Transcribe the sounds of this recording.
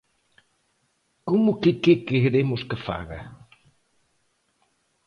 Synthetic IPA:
komʊkɪkekeɾemʊskɪfa̰ɣɐ̰

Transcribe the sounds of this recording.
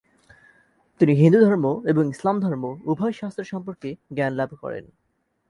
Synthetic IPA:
t̪iniɦind̪ud̪ʱɔɾmoeboŋislamd̪ʱɔɾmoubʱɔjʃast̪ɾeɾʃɔmpoɾkeɡɛnlabkɔ̰ɾḛn

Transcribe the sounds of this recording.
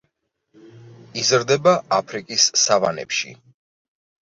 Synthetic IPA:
izɾd̪ɛbaapʰɾikʼisːavanɛ̰pʃḭ

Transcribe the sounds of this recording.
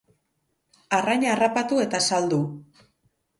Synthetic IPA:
araɲaːrapat̪ue̞t̪asald̪u

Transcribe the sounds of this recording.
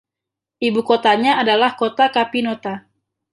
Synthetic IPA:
ʔibukot̪aɲaːdalahkot̪akapinot̪a

